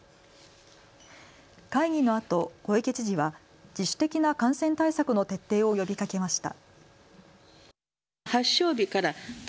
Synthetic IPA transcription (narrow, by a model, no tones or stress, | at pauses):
kaiŋ̟ʲino̞at̪o̞ko̞eke̞t͡ɕiʑiβa | d͡ʑiɕːɨ̥t̪e̞kʲinakãɰ̃sẽ̞nt̪aisakɯ̟no̞t̪e̞t̪ːe̞ːo̞jo̞bʲikake̞maɕi̥t̪a̰ | haɕo̞ːbʲikaɾa